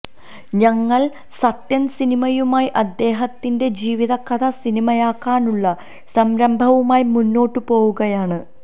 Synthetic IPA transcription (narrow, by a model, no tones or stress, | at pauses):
ɲɐŋːɐɭ | sɐt̪jɐnsinimɐjumaːjʔɐd̪ːe̞ːɦɐt̪ːinde̞d͡ʑiːʋiðɐkːɐðɐsinimɐjaːkːaːnuɭːɐ | sɐmɾɐmbʱɐʋumaːjimunːo̞ːʈːɨpo̞ːɣuɣɐjaːɳɨ